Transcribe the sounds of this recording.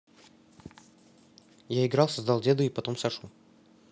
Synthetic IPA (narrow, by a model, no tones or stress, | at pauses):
jaɪɡɾɑlˠsɐzd̪ɑlˠdʲed̪ʊipɐt̪omsɐʂu